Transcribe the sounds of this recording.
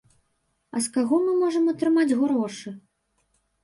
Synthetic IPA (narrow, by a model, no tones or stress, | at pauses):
ɐ̰skaɣɔmɨmɔʐɐmɐt̪ɾɨmad͡zʲɣɾɔʂɨ